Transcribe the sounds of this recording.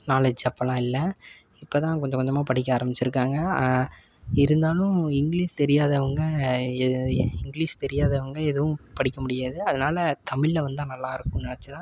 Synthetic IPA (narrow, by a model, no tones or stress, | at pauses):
naːlɐd͡ʒɐpːɐlãːɪlːɐ | ɪpːoːt̪ãːkɔɲd͡ʒɐkɔd͡ʒɐmaːpɐɽɪk̬ʲːɐaːɾɐmɪt͡ʃːɪɾɯkːaːŋɡɐ | ɪɾɯnd̪aːlʊ̃ɪŋɡliːʂt̪ɛɾɪjaːðɐʋɐŋɡɐ | ɪŋɡɪliːʂt̪ɛɾɪjaːðɐʋɐŋɡɐɛðɯʋʊ̃pɐɽɪkːɐmʊɽɪjaːðɯɐðɐnaːlɐt̪ɐmɪɭːɐʋɐnd̪ãːnɐlːaːɪɾɯkːʊ̃nɪɳɐt͡ʃːɯt̪ãː